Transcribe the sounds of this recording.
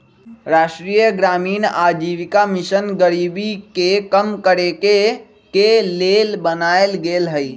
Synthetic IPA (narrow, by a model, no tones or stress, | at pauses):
ɾaːʃʈɾiːjəɡɾaːmiːnaːd͡ʒiːʋɪkamɪʃənɡəɾiːbikekəmkəɾeke | keleːlbənaːelɡeːlɦəi